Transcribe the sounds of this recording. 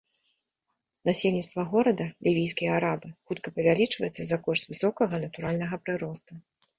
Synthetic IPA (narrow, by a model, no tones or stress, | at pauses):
nasʲelʲnʲit̪st̪vɐɣɔɾɐd̪ɐlʲivʲijskʲijɐaɾabɨxut̪kɐpɐvʲalʲit͡ʂvɐ̰jɛt̪sːɐzɐkɔʂt̪ʲvɨsɔkɐɣɐnɐt̪uɾalʲnɐɣɐpɾɨɾɔst̪u